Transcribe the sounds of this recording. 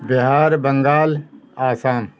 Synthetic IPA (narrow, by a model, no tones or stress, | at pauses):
bɪɦaːɾbɐ̃ŋɡaːlaːsaːn